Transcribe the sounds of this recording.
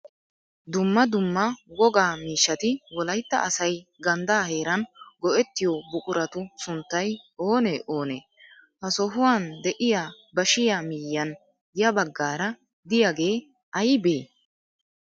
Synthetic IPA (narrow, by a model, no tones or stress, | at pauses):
d̪ʊmːɐd̪ʊmːɐwɔɡaːmiːʃːɐt̪ɪwɔlɐjt̪ːɐ̰ʔɐsɐjɡɐnd̪aːhe̞ːɾɐnɡɔʔɛt̪ːɪjɔbʊkʼʊɾɐt̪ʊsʊnt̪ːɐjoːneʔo̞ːnḛː | hɐsɔɦʊwaːnd̪ɛʔɪjaː | bɐʃɪjaːmiːjːɐn | jɐbɐɡːaːɾɐ | d̪ɪjaɡe̞ː | ɐjbeː